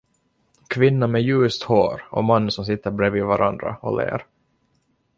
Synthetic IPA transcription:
kʰvɪnːamɛjʉ̟ːst̪hoːɾɔ̰manːsɔmsɪt̪ːəɾbɾeviːvaɾʔand̪ɾa̰ɔlḛːɾ

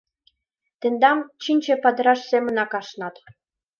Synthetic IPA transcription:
t̪ĕnd̪ɑmt͡ɕinʲt͡ɕĕpɑd̪ə̆ɾɑʃsemə̆nɑkɑʃnɑt̪

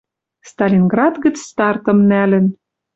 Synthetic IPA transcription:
st̪ɑlʲinɡrɑd̪ɣə̆t͡sst̪ɑrt̪ɤ̆mnælɘ̆n

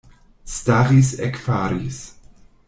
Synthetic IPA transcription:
staʁisɛkfaɾis

